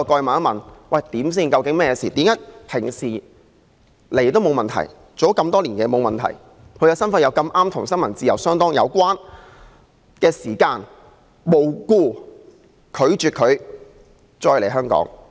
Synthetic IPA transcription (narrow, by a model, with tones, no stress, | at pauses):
kɔː˧jmɐ˨n˥mɐ˨nwɐ˨jt̪iː˨˥ms̬iː˥˩nkɐ˧wkɪ˨˥ŋmɛː˥jɛ˧siː˨˩t̪iː˨˥mjɐ˥t̚pʰɪ˨˩ŋsiː˨˩ | le˨˩t̪o˥wmo˨˧wmɐ˨nt̪ʰɐ̰˨˩j | t͡so˨˥wkɐ˧mt̪ɔː˥liː˨˩nkɛː˧mo˨˧wmɐ˨nt̪ʰɐ̰˨˩j | kʰɵ˨˧ɥkɐː˧sɐ˥nfɐ˧jɐ˨˧wkɐ˧mʔaː˥mt̪ʰʊ˨˩ŋsɐ˥nŋmɐ˨˩nt͡siː˧jɐ˨˩wsœː˥ŋt̪ɔː˥ŋjɐ̰˨˧wkʷaː˥n | kɛː˧siː˨˩kaː˧n | mo˨˧wkuː˧ | kʰɵ˨˧ɥt͡ʃyː˨t̚kʰɵ˨˧ɥ | t͡ʃɔː˧jle˨˩ɦœː˥ŋkɔ̰ː˨˥ŋ